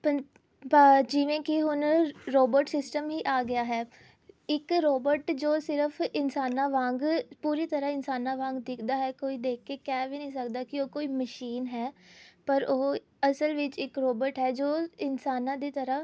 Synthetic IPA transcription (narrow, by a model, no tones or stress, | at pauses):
pə | d͡ʒɪʋẽːkɪɦʊnɾoːbəɾʈsɪsʈəmɦiːʔaːɡɪjaːɦɛː | ɪkɾoːbəɾʈd͡ʒoːsɪɾəpʰɪnsaːnãːʋãːŋɡpuːɾiːt̪əɾaɪnsaːnãːʋãːŋɡd̪ɪkʰd̪aːɦɛːkoːiːd̪eːk̚ʰkeːkɛːʋinəĩːsəkd̪aːkɪoːkoːiːməʃiːnɦɛːpəɾoː | əsəlʋɪt͡ʃɪkɾoːbəɾʈɦɛːd͡ʒoːɪnsaːnãːd̪iːt̪əɾə